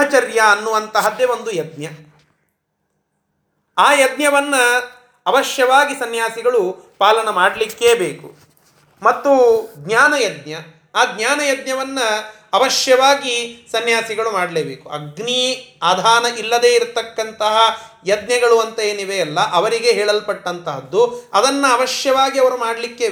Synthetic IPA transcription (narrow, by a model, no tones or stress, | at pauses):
ɐt͡ʃɐɾjɐːnːuʋɐnt̪ɐɦɐd̪eʋond̪ujɐd̪̚njɐ | aːjɐd̪ɲjɐʋɐnːɐː | ʋɐʂjɐʋaːɡisɐnjaːsiɡɐɭupaːlɐnɐmaːɽlikːebeːkṵ | mɐt̪ːuɡɲaːnɐjɐd̪ɲjɐ | aːɡɲjaːnɐjɐd̪̚ɲjɐʋɐnːɐː | ʋɐʂjɐʋaːɡisɐnjaːsiɡɐɭumaːɽleːbeːkuɐ̰ɡniːɐːd̪ʱaːnɐʔilːɐd̪e̞ːiɾt̪ːɐkːɐnt̪ɐɦɐjɐd̪njɐɡɐɭuɐnt̪ɐeːniʋeɐlːɐʔɐʋɐɾiɡe̞ɦɛːɭɐlpɐʈːɐnt̪ɐɦɐd̪ːuɐd̪ɐnːɐɐʋɐʃjɐʋaːɡiɐʋɐɾumaːɽlikːeː